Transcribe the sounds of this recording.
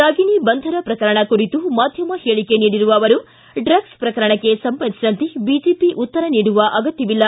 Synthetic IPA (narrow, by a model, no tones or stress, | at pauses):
ɾaːɡinibɐnd̪ʱɐɾɐpɾɐkɐɾɐɳɐkuɾit̪umaːd̪ʱjɐmɐheːɭikeniːɽiɾuʋɐːʋɐɾu | ɖɾɐɡspɾɐkɐɾɐɳɐkːe̞sɐmpɐnisiɾɐnt̪ibid͡ʒiːpiʔut̪ːɐɾɐniːɽuʋɐʔɐɡɐt̪jɐʋilːɐ